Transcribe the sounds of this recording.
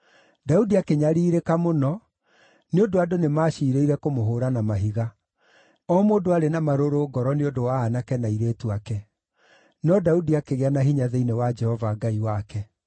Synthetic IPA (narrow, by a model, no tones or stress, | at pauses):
daudiakeɲaɾiːɾekamonɔ | neondoadonemaːʃiːɾeiɾɛkomoɦoːɾanamaɦiɣa | ɔmodoaɾenamaɾoɾoːɡɔɾɔneondowaːnakɛnaiɾeːtuakɛ | nɔdaudiakeɣeanaɦiɲaðeinewad͡ʒɛhɔvaɡaiwakɛ